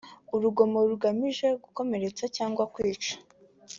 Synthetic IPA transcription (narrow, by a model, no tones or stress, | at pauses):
uɾuɡo̞mo̞ɾuɡamiʒe̞ɡuko̞me̞ɾe̞t͡sacaːŋɡwakwiːt͡ʃḁ